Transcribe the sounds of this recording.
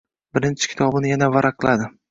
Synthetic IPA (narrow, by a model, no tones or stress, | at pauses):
bɪɾɪnt͡ʃʰɪ̥kʲʰɪ̥t̪ʰɒbɪnɪjanavaɾʔaqlˠʔad̪ɪ